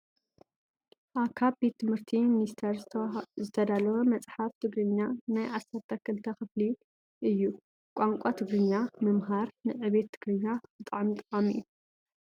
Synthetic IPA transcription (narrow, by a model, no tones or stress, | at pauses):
ʔaβkʰaβbe̞t̪ʰːɨmhɨɾt̪ʰiminist̪ʰeɾzɨt̪ʰɐd̪alɐwɐmɐt͡sʼħaft̪ʰɨɡɾɨɲːanajʕasɐɾt̪ʰːɐkʰːɨlt̪ʰɐxɨfli | ʔɨjːu | kʷʼaŋkʷʼat̪ʰɨɡɾɨɲːamɨmɦaɾnɨʕɨβe̞t̪ʰːɨɡɾɨɲːab̥ɨt̪ʼaʕmt̪ʼɨχʼamḭʔːu